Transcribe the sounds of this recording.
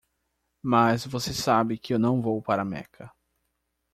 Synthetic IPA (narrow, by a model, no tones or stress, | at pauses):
mɐzvosesabɪkɪewnɐ̃w̃vowpaɾɐmɛ̰kʰɐ